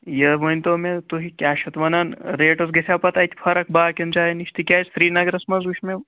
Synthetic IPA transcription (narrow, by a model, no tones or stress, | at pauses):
jəʋənʲt̪omet̪uɦikʲaːʃɐt̪ʋɐnanɾeːʈɐsɡesʲapɐt̪ɐjt̪ʰi̥fʰɐɾɐk̚baːkʲɐnt͡ʃajniʃt̪ikʲaːjt͡sfɾiːnɐɡɾɐsmɐzuʃme